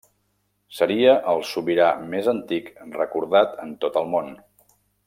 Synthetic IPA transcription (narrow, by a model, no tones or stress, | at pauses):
səɾiəʔəlˠsuβiɾamezənt̪ikrəkuɾð̞at̪ənt̪ot̪əlˠmon